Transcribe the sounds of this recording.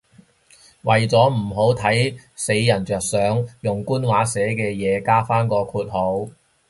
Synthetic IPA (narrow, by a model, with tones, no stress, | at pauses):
wɐ˨jt͡sɔː˨˥m̩˨˩ɦo˨˥wt̪ʰɐ˨˥jse˨˧jːɐ˨˩nt͡ʃœː˨k̚sœː˨˥ŋjʊ˨ŋkuː˥nwaː˨˥sɛː˨˥kɛː˧jɛː˨˧kaː˥faː˥nkɔː˧kʰuː˧t̚ho˨˥w